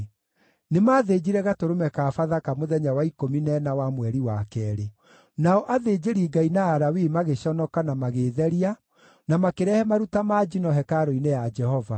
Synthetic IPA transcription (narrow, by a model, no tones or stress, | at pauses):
nemaːðed͡ʑiɾɛɣatoɾomɛkafaðakamoðɛɲawaikominɛnawamwɛɾiwakɛːɾe | naɔʔaðed͡ʑeɾiɡainaːɾawimaɣeɕɔnɔkanamaɣeːðɛɾia | namakeɾɛhɛmaɾutamaːd͡ʒinɔɦɛkaɾoinejad͡ʒɛhɔva̰